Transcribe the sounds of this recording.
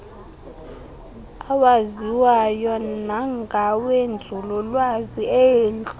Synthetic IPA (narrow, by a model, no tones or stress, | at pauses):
awaziwajɔnaŋɡʱawend͡zʱulɔlwaziɛeːnɬ